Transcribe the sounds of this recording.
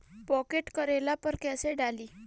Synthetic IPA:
pɔkeʈkəɾelapəɾkɛseɖaliː

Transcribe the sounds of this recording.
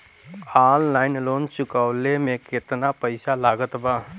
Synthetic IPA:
aːlːaːɪnloːnt͡ʃʊkəːlemẽkɪt̪napəɪsalaːɡət̪baː

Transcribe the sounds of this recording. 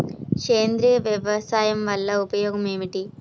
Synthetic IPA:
keːnd̪ɾijɐʋjɐʋɐsaːjɐmʋɐlːɐupɐjoːɡɐme̞ːʋiʈi

